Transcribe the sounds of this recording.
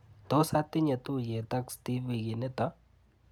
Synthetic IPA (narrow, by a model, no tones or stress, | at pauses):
t̪osat̪inet̪ujet̪akst̪iʋiɡinet̪ɐ